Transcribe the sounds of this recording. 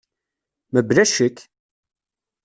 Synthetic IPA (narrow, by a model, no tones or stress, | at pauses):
məblæʃək